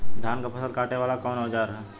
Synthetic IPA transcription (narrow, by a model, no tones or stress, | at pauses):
d̪ʱjaːnkapɐsəd̪̚kaːʈeʋaːlakɔːnɦod͡ʒaːɾɦɛ